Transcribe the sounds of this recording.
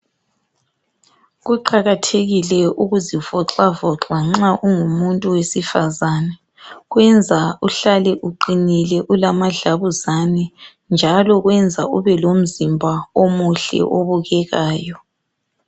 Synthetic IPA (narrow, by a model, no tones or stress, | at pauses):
ɣuǃaɣatʰeɣilɛuɣuzivɔǁavɔǁaŋ͡ǁaʔuŋumuntʼuwesifazanɛ | ɣwɛnd͡zʱauɬalɛʔuǃinilɛʔulamaɮaβuzanɛ | nd͡ʒʱalɔɣwɛnd͡zʱauβɛlom̩zimbʱaomuɬɛ̰ʔoβuɣɛɣaːjɔ